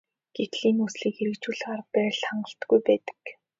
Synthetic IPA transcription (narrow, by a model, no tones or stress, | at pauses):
ɡ̥et̪ɮiːnusɮiːkeɾɘ̆kt͡ɕuɮʁaːrpæːɮχaɴɢə̆ɬt̪ɡujpæːt̪ə̥̆k